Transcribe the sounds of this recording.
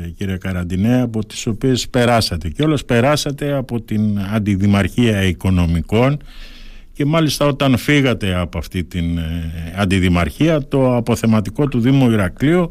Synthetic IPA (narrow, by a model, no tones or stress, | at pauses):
ciɾiɐkɐɾɐnd̪ineɐpo̞t̪i̥so̞pie̞spe̞ɾɐsɐt̪e̞ceo̞lɐspe̞ɾɐsɐt̪e̞ɐpo̞t̪inɐnd̪iðimɐɾçiɐiko̞no̞miko̞n | ce̞mɐlist̪ɐo̞t̪ɐnfiɣɐt̪e̞ɐpoɐft̪it̪inɐnd̪iðimɐɾçiɐt̪o̞ɐpo̞θe̞mɐt̪iko̞t̪uðimo̞iɾɐklio